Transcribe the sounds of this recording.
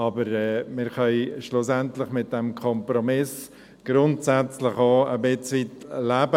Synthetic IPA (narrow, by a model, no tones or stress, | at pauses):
ɑbəɾɛːmɪɾχœʏʃlʊsɛntlɪχmɪt̚d̥ɛmkʰɔmpɾomɪs | ɡ̥ɾʊntsɛt͡slɪχoəbɪt͡sʋitlæbə